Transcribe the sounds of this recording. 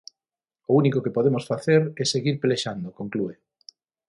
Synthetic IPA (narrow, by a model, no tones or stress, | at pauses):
ʊunikokepoðemosfaθeɾɛseɣiɾpeleʃand̪okoŋklue